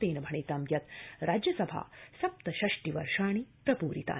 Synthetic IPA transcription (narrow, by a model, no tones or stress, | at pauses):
t̪eːnɐbʱɐɳ̃eːt̪ɐmjɐt̪ɾaːd͡ʒjɐsɐbʱa̰ːsɐp̚t̪ɐɕɐʂʈiʋɐ̰ɾʂaːɳ̃ipɾɐpuːɾḭt̪a̰ː